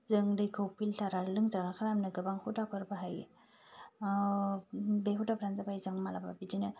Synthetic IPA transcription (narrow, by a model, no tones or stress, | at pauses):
zɯŋdɯjkʰɯwpʰiltʰaɾalɯŋzaɡakʰaɾamnɯɡɯbaŋhudapʰɯɾbaɦaj | beɦudapɾanzabajzɯŋmalababidinɯ